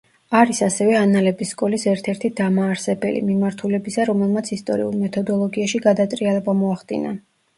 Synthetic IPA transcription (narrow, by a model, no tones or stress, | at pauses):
aɾisasɛvɛanalɛbisːkʼɔlisɛɾt̪ʰɛɾt̪ʰid̪amaːɾsɛbɛ̰lḭmimaɾt̪ʰulɛbisaɾɔmɛlˠmat̪sʰist̪ʼɔ̰ɾiṵlˠmɛt̪ʰɔd̪ɔlˠɔɡiaʃiɡad̪at̪ʼɾialɛbamɔaχd̪̥ḭna̰